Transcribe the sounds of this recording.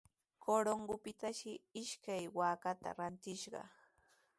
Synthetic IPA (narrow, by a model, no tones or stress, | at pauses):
kʰoɾoŋɢʊpɪt̪aʃɪɪʃkajwaːkat̪a̰ɾant̪ɪʃɢɑ̰